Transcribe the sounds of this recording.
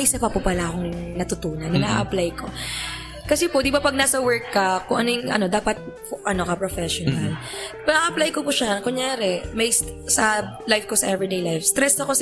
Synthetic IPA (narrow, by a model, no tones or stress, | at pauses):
ʔɪsɐpɐpupɐlaʔɐkoŋnɐt̪ʊt̪uːnɐnːɐnaʔɐplajko̞ | kɐsɛpod̪ɪbapɐɡ̚naːsɐwɛɹkːɐkʊŋʔɐnojʊŋɐ̰no̞d̪aːpɐt̪̚ | ʔɐno̞kɐpɾofɛʃonal | ɐnaʔɐplajkopʊʃɐkoŋɲaːɾɛmɐjs | sɐlajfkosɐʔɛvɾid̪ejlajfst̪ɾɛsɐkos